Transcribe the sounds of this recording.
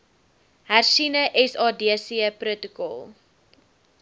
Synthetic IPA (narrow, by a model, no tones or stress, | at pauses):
hærsinəʔɛsɑːdiəsiəprotəkɔ̰lˠ